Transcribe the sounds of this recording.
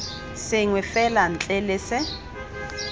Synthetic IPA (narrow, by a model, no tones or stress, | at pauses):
sɪŋwɛfɛlan̩t͡ɬʼɛlɪsɪ